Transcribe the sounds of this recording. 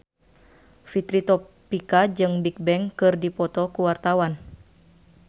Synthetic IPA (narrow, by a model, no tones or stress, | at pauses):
fit̪ɾit̪ɔ | pikad͡ʒɨŋbik̚bɛŋkɨrdipɔt̪ɔkuwart̪awan